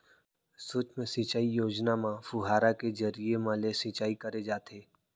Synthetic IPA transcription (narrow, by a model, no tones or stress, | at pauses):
soːt͡ʃmẽsit͡ʃaːijoːd͡ʒnamãfʊɦaːɾaked͡ʒəɾijemãlesit͡ʃaːikɐɾed͡ʒaːt̪ʰeː